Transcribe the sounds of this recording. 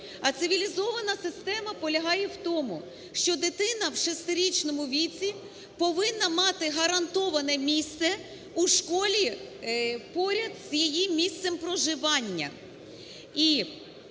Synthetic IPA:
ɐt̪sɪʋʲilʲizɔʋɐnɐsɪst̪ɛmɐpɔlʲɐɦɑjɛwt̪ɔmʊ | ʃt͡ʃɔd̪ɪt̪ɪnɐwʃɔst̪ɪɾʲit͡ʃnɔmʊʋʲit̪t͡sʲi | pɔʋɪnːɐmɑt̪ɪɦɐɾɐnt̪ɔʋɐnɛmʲist̪sɛ | uʃkɔlʲi | pɔɾʲɐd̪z̥jijimmʲist̪sɛmpɾɔʒɪʋɑnʲːɐ̰ | i

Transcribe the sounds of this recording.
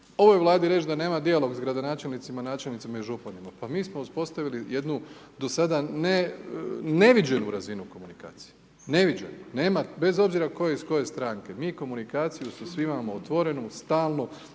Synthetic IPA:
o̞ʋojeʋlˠaːd̪iɾe̞t͡ʃd̪ane̞ːmad̪ialo̞ɡsɡɾad̪o̞naːt͡ʃe̞lnit̪simanaːt͡ʃelnit̪imaiʒopanimapamiːsmo̞uspo̞st̪aʋilije̞d̪nud̪o̞sad̪ane | ne̞ʋid͡ʒenuɾazinuko̞munika̰ːt̪si̥je | ne̞ʋid͡ʒe̞̰nune̞ːmabe̞zo̞bziɾako̞jeisko̞je̞st̪ɾaːŋke̞miːko̞munikaːt̪sijusasʋimamoot̪ʋo̞ɾe̞nust̪aːlˠno

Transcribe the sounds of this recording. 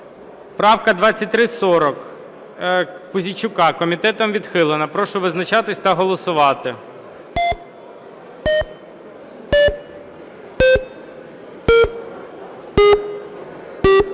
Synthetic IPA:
pɾɑwkɐd̪ʋɑt͡sʲːɐt̚ʲt̪ɾɪsɔɾɔk | pʊzʲit͡ʃʊkɑkɔmʲit̪ɛt̪ɔmʋʲid̪xɪlˠɪnɐpɾɔʃʊʋɪznɐt͡ʃɑt̪ɪsʲt̪ɐɦɔlˠɔsʊʋɑt̪ɪ

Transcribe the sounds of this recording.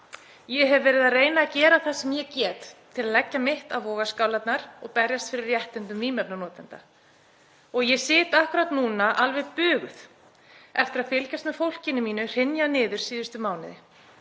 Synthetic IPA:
jɛɦɛvːɛːɾɪðareːjnaːcɛːɾaθasɛmjɛcɛːt̪t̪ʰːɪlaðlɛcːamɪht̪avɔːɣaskawlat̪naɾɔɣpɛɾjast̪fɪɾɪɾjɛht̪ɪnt̪ʏmviːmɛpnanɔːt̪ɛnt̪a̰ | ɔɣjɛsɪːt̪ahkʊɾat̪nuːnaʔalvɛðpʏːɣʏθ | ɛft̪ɪɾaðfɪlcast̪mɛfowl̥cɪnɪmiːnʏr̥ɪnjanɪːðʏɾ̥siːðʏst̪ʏmaːwnɪðɪ

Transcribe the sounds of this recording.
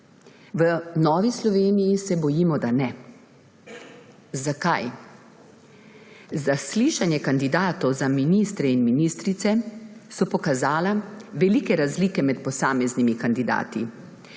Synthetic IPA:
ʋənɔːʋislɔʋeːnijisɛbɔjiːmɔd̪anɛ | zakaj | zasliʃanjɛkand̪id̪aːt̪ɔwzaminist̪ɾɛinminiːst̪ɾit̪sɛsɔpɔkazaːlaʋɛliːkɛɾazliːkɛmɛt̪pɔsaːmɛznimikand̪id̪a̰ːt̪i

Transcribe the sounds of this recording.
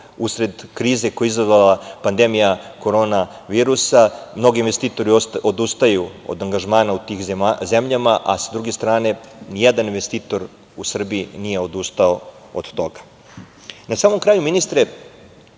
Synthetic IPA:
usɾe̞d̪kɾiːzekojeizazʋalapand̪e̞mijako̞ɾo̞ːna | ʋiːɾusamno̞ɡiinʋest̪iːt̪o̞ɾiod̪ust̪ajuo̰d̪aŋɡaʒmaːnaut̪iːxzemʎamaʔasad̪ɾuɡe̞st̪ɾaːne̞nijed̪aninʋe̞st̪iːt̪o̞ɾ | usr̩biinije̞o̞d̪ust̪ao | o̰d̪̥t̪o̞ɡḁ | nasaːmo̞mkɾaːjuminist̪ɾe

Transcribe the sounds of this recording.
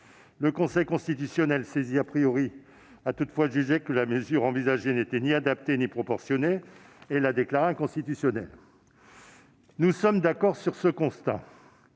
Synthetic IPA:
ləkɔ̃sɛjkɔ̃st̪it̪ysjɔnɛlseziapχijɔʁi | at̪ut̪fwaʒyʒekəlaməzyʁɑ̃vizaʒenet̪ɛniad̪apt̪enipχɔpɔʁsjɔneːlad̪eklaʁeɛ̃kɔ̃st̪it̪ysjɔnɛl | nusɔmd̪akɔʁsyʁsəkɔ̃st̪a̰

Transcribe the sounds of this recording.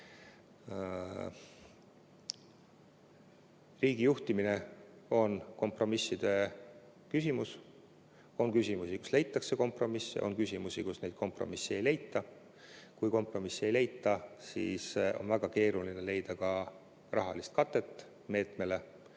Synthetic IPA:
riːɡijuht̪imine̞o̞nko̞mpro̞misːid̪̥e̞ | kysʲimus | o̞nkysʲimusiku̥sle̞jt̪ːˑɑkse̞ko̞mpro̞misːeʔo̞̰nkysʲimusikusne̞jd̪̥̚ko̞mpro̞̰misːee̞jle̞jt̪ˑːɑ | kujko̞mpro̞misːe̞jle̞jt̪ːˑɑsḭːso̞̰nvæɡ̥ɑke̞ːɾuline̞le̞jd̪̥ɑkɑ | rɑ̰ɦɑ̰list̪̚kɑt̪ːˑe̞t̪ːˑ | me̞ːt̪me̞le̞

